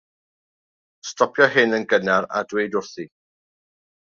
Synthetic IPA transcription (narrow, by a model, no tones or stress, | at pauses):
stɔpʰjɔɦɪnənɡənaɾa̰dwejdʊrθi